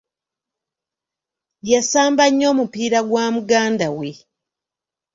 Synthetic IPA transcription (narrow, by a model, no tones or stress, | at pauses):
jasaːmbaɲːo̞ːmupiːɾaɡwaːmuɡaːndawe